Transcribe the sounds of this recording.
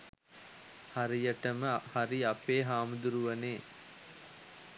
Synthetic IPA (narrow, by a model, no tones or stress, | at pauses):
haɾijəʈəməhaɾiapeːɦaːmud̪uɾuʋɐneː